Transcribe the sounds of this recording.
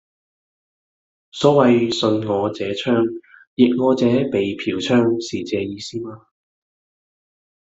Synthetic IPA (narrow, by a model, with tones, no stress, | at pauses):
sɔː˨˥wɐ˨jsɵ˧nŋɔː˨˧t͡sɛː˨˥t͡ʃʰœː˥ŋjɪ˨k̚ŋɔː˨˧t͡sɛː˨˥pe˨jpʰiː˨˥wt͡ʃʰœː˥ŋsiː˨t͡sɛː˨˧jiː˨˧siː˥maː˧